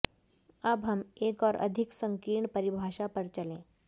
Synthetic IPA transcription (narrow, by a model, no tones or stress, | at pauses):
əbɦəmekɔːɾʔə̰d̪ʱiksəŋkiːɳpəɾibʱaʃapəɾt͡ɕəlẽ